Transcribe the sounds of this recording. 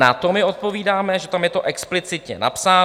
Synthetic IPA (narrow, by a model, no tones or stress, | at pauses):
a̰t̪o̞mɪo̞t̪̚po̞viːdaːmɛʒɛt̪amjɛt̪o̞ʔɛksplɪt͡sɪt̪ɲɛ̰na̰psaː